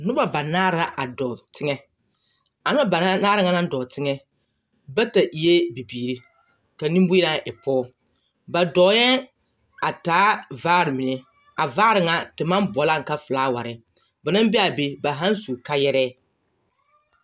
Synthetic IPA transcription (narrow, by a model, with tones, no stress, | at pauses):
nʊ˦ba˨ba˨naː˦ɾa˦ʔa˨dɔ˨tɪ˦ŋɛ˦ | a˨nʊ˦a˦˨ba˨˦naː˦ɾɪ˦ŋa˦na˦n˦dɔ˨tɪ˦ŋɛ˦ | ba˦ta˨ʔi˨je˦bi˨biː˨ɾi˦ | ka˨nĩ˦mbi˦na˦ʔɪ˨pɔː˦ | ba˨dɔ˨˦jɛ˦ | a˨taː˨˦vaː˦ɾɪ˨mi˨ne˨ | a˨vaː˦ɾɪ˨ŋa˨tɪ˨ma˦mbɔ˨˦la˦˨ŋ̩˨ka˦fʊ˨la˦wa̰˨ɾɪ˨ | ba˨na˦m˦bɛ˦a˨be˨ba˨ɦa˦nsu˨ka˦jɛ˦ɾɛː˦